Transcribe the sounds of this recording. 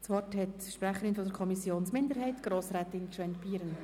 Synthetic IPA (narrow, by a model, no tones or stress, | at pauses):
sʋɔrthɛt | ʃpɾæχəɾɪnfɔdəɾkʰɔmisjoːnsmɪnd̪əɾɦɛɪtɡ̥ɾoːsɾɛːt̪ɪnkʃɛntbiːɾən